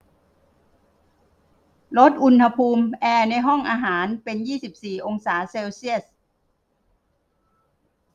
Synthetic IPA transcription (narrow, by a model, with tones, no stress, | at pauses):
lo˦˥t̪̚ʔu˧nha˧pʰuː˧mʔɛː˧na˧jɦɔ˥˩ŋʔaː˧ɦaː˩˦npe˧njiː˥˩si˨˩p̚siː˨˩ʔo˧ŋsaː˩˦seː˧wsi˥˩əs̚